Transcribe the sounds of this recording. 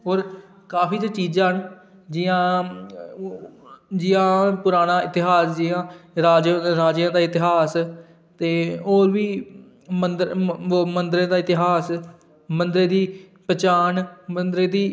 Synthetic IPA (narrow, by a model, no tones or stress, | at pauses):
ɦoːɾ | kaːpiːt̪ːt͡ʃiːd͡ʒãːɦən | d͡ʒɪjãː | d͡ʒɪjãːpʊɾaːnaːɪt̪ɪɦaːsd͡ʒɪãːɾaːd͡ʒɾaːd͡ʒjãːd̪aːɪt̪ɪɦaːs | t̪eːoːɾʋiː | mənd̪mənd̪ɾẽːd̪aːɪt̪ɪɦaːs | mənd̪ɾeːd̪iː | pət͡ʃaːnmənd̪ɾeːd̪iː